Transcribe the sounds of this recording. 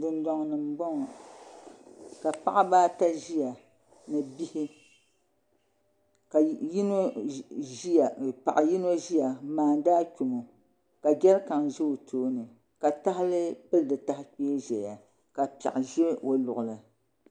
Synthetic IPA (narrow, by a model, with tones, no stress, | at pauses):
dɨ˨ndɔ˨ŋ˨nɨ˨m˨bɔ˦ŋ˨ | ka˨pa˦ʔa˦baː˦ta˦ʒi˦ja˨ | nɨ˨bi˦hi˦ | ka˨˦no˦˨ | pa̰˨ʔa˨ji˦no˦ʒi˦ja˨maː˨n˦daː˦kʲu˨mo˨ | ka˨ɡʲɛ˦lka˨ŋʒɛ˦o˨tʰoː˦nɨ˨ | ka˨ta˦ɦɪ˦lɨ˦pɨ˦ldɨ˨ta˦hɪ˦k͡pi˦ʒɛ˨ja˨ | ka˨pɛ̰˨ʔɪ˨ʒe˦o˨lʊ˨ʔʊ˨lɨ˨